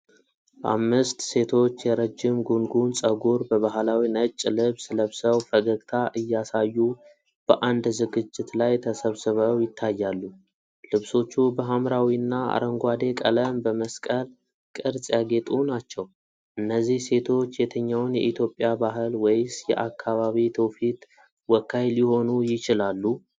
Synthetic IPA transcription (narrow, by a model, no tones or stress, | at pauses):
ʔa̰mːɨst̪se̞t̪ʰo̞t͡ʃːjɛɾəd͡ʒːɪmɡunɡunsʼəɡuɾbəβaɦlawinət͡ʃʼːlɨβsləβsəwfəɡəɡt̪ʰaʔɨjːasajːu | b̥əʔand̪zɨɡɨd͡ʒːɪt̪lajt̪ʰəsəβsɨβəwjɪt̪ʰːajːalːu | lɨβso̞t͡ʃːubəɦamɾawiɨnːaa̰ɾəŋɡʷad̪e̞kʼələmbəməskʼəl | kʼɨɾsʼjaɡe̞t̪ʼunat͡ʃːɛw | ʔɨnːəzːihse̞t̪ʰo̞t͡ʃːjɛt̪ʰəɲːawnjɛʔit̪ʰjo̞pʼːjabaɦɨlwjsjɛ̰ʔakʰːaβaβit̪ʰəwfit̪ | wɔkʰːajljɪho̞nujɪt͡ʃɪlalːu